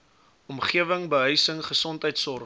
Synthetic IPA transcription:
ɔmχiəvəŋbəɦœɥsəŋχəsɔntəjtsɔr

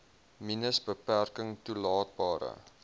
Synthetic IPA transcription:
minəsbəpærkəŋtulɑːt̚bɑːɾə̰

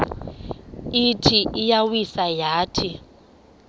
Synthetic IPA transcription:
itʰiijawisajaːtʰi

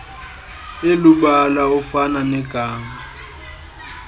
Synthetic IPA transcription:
eluɓalaʊfananɛɡ̥ʱaːma

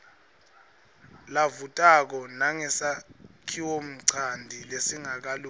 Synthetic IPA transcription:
lavutʼak̬ɔnaŋɛsakʰiwom̩ǀʰandʱilesiŋak̬alu

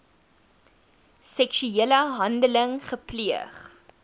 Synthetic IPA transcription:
sɛkʃyiələɦɐndələŋχəpliəχ

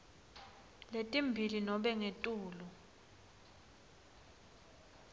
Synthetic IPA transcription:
letʼimbʱilinɔɓɛŋetʼuːlɔ

